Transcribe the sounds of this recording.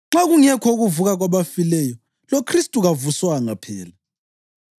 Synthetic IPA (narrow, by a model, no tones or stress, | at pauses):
ŋ͡ǁaɣuŋɛkʰɔɣuvuɣaɣwaβafilɛjɔ | lokʰristʼuɣavuswaŋapʰɛ̰ːla